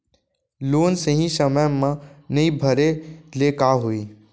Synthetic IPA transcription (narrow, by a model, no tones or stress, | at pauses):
loːnsəɦĩsəməjmãnɐĩbʱəɾeleːkaɦuiː